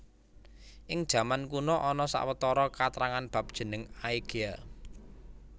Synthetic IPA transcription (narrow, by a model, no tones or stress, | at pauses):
ʔɪŋd̥ʒ̥ä̤mankunɔʔɔnɔsa̰ʔwət̪ɔɾɔkat̪ɾaŋanb̥ä̤p̚d̥ʒ̥ə̤nəŋaiɡ̥ia